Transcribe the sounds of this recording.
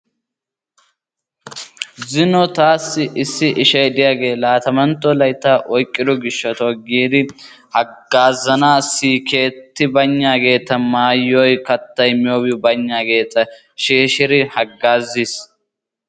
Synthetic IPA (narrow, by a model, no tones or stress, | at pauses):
zɪnɔt̪aːsːɪʔɪsːɪʔɪʃɐjd̪ɪjaːɡe̞ːlaːt̪ɐmɐnt̪ːɔlɐjt̪ːaʔɔjkʼːɪd̪ɔɡɪʃːɐt̪ɔɡiːd̪ɪ | hɐɡːaːzɐnaːsːiːke̞ːt̪ːɪbɐɲːaːɡe̞ːt̪ːɐmaːjːɔjkɐt̪ːɐjmɪjoːwɪbɐɲːaːɡe̞ːt̪ːɐ | ʃeːʃɪɾɪhɐɡːaːzːis